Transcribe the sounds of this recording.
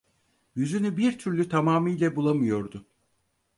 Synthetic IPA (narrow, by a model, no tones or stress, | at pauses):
jyzynybiɾt̪ʰyɾlʲyt̪ʰamaːmɯjlʲɛbulˠamɯjo̞ɾd̪ʊ